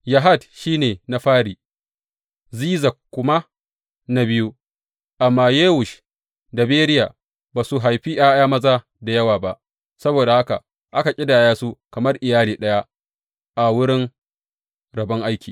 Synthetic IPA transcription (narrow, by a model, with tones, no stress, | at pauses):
ja˨ɦa˦˨dʃiː˦neː˨na˨ɸaː˦ɾiː˨ | ziː˦zɐ˨kkʷːʊ˦ma˦ | na˦bɪ˦ju˦ | ʔa˨mːaː˦jeː˦wʊ˨ʃ | da˨beː˦ɾɪ˦ja̰ː˨ | baː˨su˨ɦa˨jɸi˦jaː˦jaː˦mɐ˦zaː˦ | da˨jɐ˦waː˨ba˦ʔ | sɐ˦boː˨da˨ha˦ka̰˨ | ʔa˦ka˨kʲʼɪ˦daː˨jaː˦su˦kɐ˨mɐ˦rʔɪ˨jaː˦liː˨ɗɐ˦ja˦ | ʔa˨wʊ˦ɽɪ˦ŋ | ɾɐ˨bɐ˦ŋʔa˦jkʲiː˨